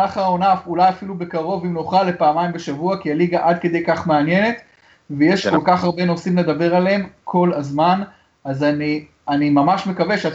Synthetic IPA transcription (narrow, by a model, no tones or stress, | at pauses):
aχao̞nafulajafilube̞kaʁo̞vimnoχʁale̞paːmajimbeʃavuakialiɡaʔad̪ke̞d̪ejkaχmeanje̞ne̞t̪ | veje̞ʃko̞lkaχaʁbe̞no̞simle̞d̪abe̞ʁaleemkʰo̞lazman | azani | animamaʃme̞kave̞ʃeat